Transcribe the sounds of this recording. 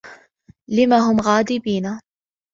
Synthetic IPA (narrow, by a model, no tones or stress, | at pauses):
lɪmaːɦʊmɣaːd̪ɪbiːna